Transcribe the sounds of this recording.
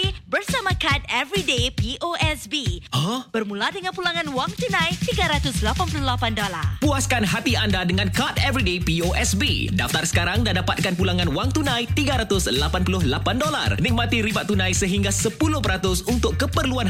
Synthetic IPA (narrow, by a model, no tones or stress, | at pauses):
ibərsamãkat̪̚ɛvɾidepiʔoʔɛsbiɔb̥ərmũladəŋãnpulaŋãnwaŋt̪unãjt̪iɡaɾat̪ʊslapanpuluhlapandola̰rpuaskanɦat̪iandadəŋankat̪ɛvɾidepioʔɛsbḭdaft̪arsə̥kaɾaŋdadapat̪̚kanpulaŋãnwaŋt̪unãjt̪iɡaɾat̪ʊslapanpulʊɦlapandola̰rnik̚mãt̪iɾibaʔt̪unãjsəɦiŋɡasəpulʊhpəɾat̪ʊsunt̪ʊkːəpərluan